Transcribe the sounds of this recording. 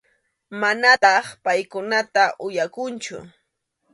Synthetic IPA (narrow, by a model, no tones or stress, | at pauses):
manat̪ɑχpajkʊnat̪aʔʊjakʊnt͡ʃʊ̰